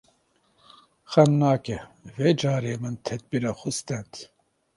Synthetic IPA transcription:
xɛmnaːkɛveːd͡ʒɑːɾeːmɨnt̪ʰɛd̪̚biɾaxust̪ɛnt̪

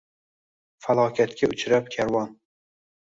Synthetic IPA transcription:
falˠɒkʲʰat̪kʲaʊt͡ʃʰɾap̚kʲʰaɾwɒn

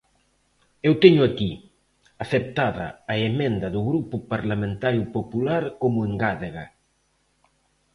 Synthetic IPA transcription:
ewt̪eɲʊaki | aθep̚t̪aðɐ̰ːemẽnd̪ɐðʊɣɾupʊpaɾlamẽnt̪aɾjʊpopulaɾkomʊeŋɡaðeɣa

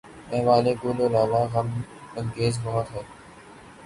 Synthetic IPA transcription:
ɛ̃ːʋaːleːɡoːloːlaːlaːɣəmə̃ŋɡeːzbɔɦɔt̪ɦɛː

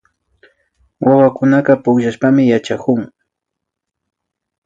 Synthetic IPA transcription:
wʔawakʊnaqɑpʊkʃaʃpamɪjat͡ʃakʊŋ

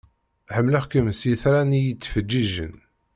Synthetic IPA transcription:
ħəmːləχkəmsiθɾænijit͡sːfəd͡ʒːiʒə̰n

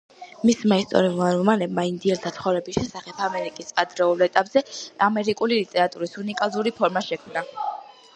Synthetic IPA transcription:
mismaist̪ʼɔ̰ɾiulˠaɾmɔmanɛbmaind̪iɛɾt̪ʰat̪sʰχɔvɾɛbiʃɛsaχɛpʰamɛɾikʼisʼad̪ɾɛulˠɛt̪ʼapʼz̥ɛamɛɾikʼulilit̪ʼɛɾat̪ʼuɾisunikʼazuɾipʰɔɾmaʃɛkʰmna

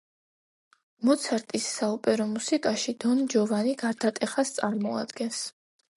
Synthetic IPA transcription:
mɔt̪sʰaɾt̪ʼisːaupʼɛɾɔmusikʼaʃid̪̥ɔnd͡ʒɔvaniɡaɾt̪ʰat̪ʼɛχast̪sʼaɾmɔa̰d̪ɡɛns

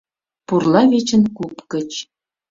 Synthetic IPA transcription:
purlˠɑβet͡ɕə̆nkupkə̆t͡ɕ

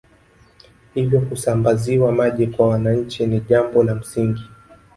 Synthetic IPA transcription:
hivjɔkusambaziwamaʄɛkwawanaɲ̩t͡ʃiniʄambɔnam̩siŋɡi

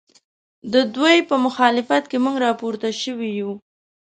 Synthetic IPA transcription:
d̪əd̪wajpəmʊxɑlɪfat̪kemuŋɡɾɑpoɾt̪aʃəwiju

